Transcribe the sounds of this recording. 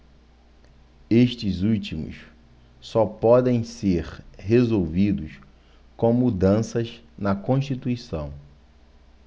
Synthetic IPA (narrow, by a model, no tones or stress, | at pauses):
eʃt͡ʃɪzut͡ʃimʊ̰s | sɔpɔd̪ẽj̃seɾhezowvid̪ʊs | kõw̃mud̪ɐ̃sɐz | nɐkõʃt͡ʃit̪uisɐ̃w̃